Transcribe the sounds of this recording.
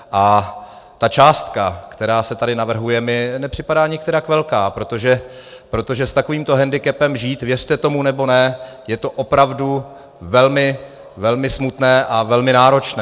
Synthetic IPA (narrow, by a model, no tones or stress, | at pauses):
ʔa | t̪at͡ʃaːst̪kakt̪ɛɾaːsɛt̪adɪnavr̩ɦujɛmɪnɛpr̝̥ɪpadaːɲɪkt̪ɛɾakvɛlkaːpɾo̞t̪o̞ʒɛ | pɾo̞t̪o̞ʒɛst̪akoviːmt̪o̞ɦɛndɪkɛpɛmʒiːt̪vjɛr̝̥t̪ɛt̪o̞munɛbo̞nɛ | jɛt̪o̞ʔopɾavdu | vɛlmɪ | vɛlmɪsmut̪nɛːʔavɛlmɪnaːɾo̞t͡ʃnɛː